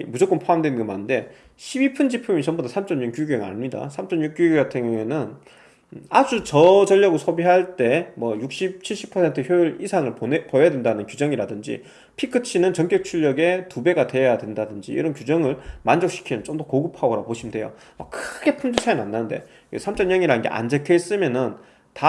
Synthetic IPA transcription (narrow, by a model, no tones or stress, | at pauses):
mud͡ʑok͈ɯmpʰoamdwenɯnŋɡʌmanɯnde̞ | ɕʰibipʰɯnd͡ʑipʰɯmit͡ɕʌmbodʰasʰamt͡ɕʰʌnɲunkjuɡueŋa̰ɲimɲida̰sʰamt͡ɕ͈ʰʌnɲuk̚juɡjatʰeŋjŋe̞nɯn | ad͡ʑut͡ɕʌd͡ʑʌʎːʌɡosʰobiɦaɭt͈e̞mwʌjuk̚ɕ͈ip̚t͡ɕʰiɭɕ͈i̥pʰʌsʰe̞ntʰɯçjojɭisʰaŋɯɭpoejadwe̞ndanɯnkjud͡ʑʌŋiɾadɯnd͡ʑḭ | pʰikʰɯt͡ɕʰinɯnt͡ɕʌŋk͈jʌk̚t͡ɕʰuʎːʌɡe̞tube̞ɡade̞jadwe̞ndadɯnd͡ʑḭḭɾʌnkjud͡ʑʌŋɯɭmand͡ʑʌk̚ɕ͈ʰi̥kʰinɯnt͡ɕomdokoɡɯpʰaoɾapoɕʰimde̞jo̰ | a̰kʰɯɡ̥e̞pʰumd͡ʑut͡ɕʰananːannde̞̰ | esʰamt͡ɕ͈ʌnɲjʌŋiɾanɯnɡe̞̰ʔa̰nd͡ʑekʰes͈ɯmjʌnɯn | ta